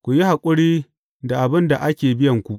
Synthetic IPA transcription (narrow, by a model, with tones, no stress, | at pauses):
kʷu˨ji˦ha˨kʷʼʊ˦ɽiː˦ | da˨ʔa˨bɪ˦nda˨ʔa˦kʲeː˨bɪ˦jɐ˨ŋkʷu˨ʔ